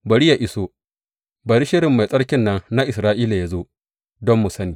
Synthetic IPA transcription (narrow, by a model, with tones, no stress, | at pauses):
bɐ˨ɽi˦ja˨ʔɪ˨soː˦ | bɐ˨ɾi˦ʃɪ˦ɾɪ˨mːa˨jsʼɐ˦ɽkʲɪ˦nːɐ˦nna˦ʔɪ˨sɾaː˦ʔiː˦la˨ja˨zo˦ | dɔ˦mːu˨sɐ˦niː˨